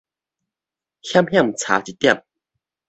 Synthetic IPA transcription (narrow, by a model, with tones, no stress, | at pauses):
hja˥mhja˥˨ŋt͡sʰa̰˨˧˥t͡ɕi˨˩t̪ːja˥˨m